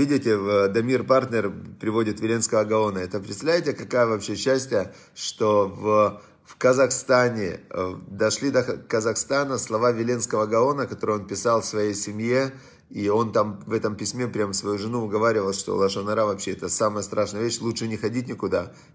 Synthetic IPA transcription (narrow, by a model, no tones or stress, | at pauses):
vʲidʲɪtʲɪvd̪ɐmʲirpart̪ʲnʲɪrpɾʲɪvo̞dʲɪt̪vʲɪlʲe̞nskəvəɡɐo̞nəɛt̪əpɾʲɪt̪st̪ɐvlʲæɪtʲɪkɐkajəvɐpɕːeɕːæsʲtʲjə | ʂt̪o̞v | fkəzɐxst̪anʲɪd̪ɐʂlʲid̪əxkəzɐxst̪anəslˠɐvavʲɪlʲe̞nskəvəɡɐo̞nəkɐt̪o̞ɾɨjonpʲɪsalˠfsvɐjejsʲɪmje̞ | io̞nt̪amvɛt̪əmpʲɪsʲmʲe̞pɾʲamfsvɐjuʐɨnuʊɡɐvaɾʲɪvəlˠʂt̪o̰lˠaʂənɐɾavɐpɕːeɛt̪əsaməjəst̪ɾʔaʂnəjəvʲeɕlˠutʂɨnʲɪxɐdʲitʲnʲɪkʊd̪a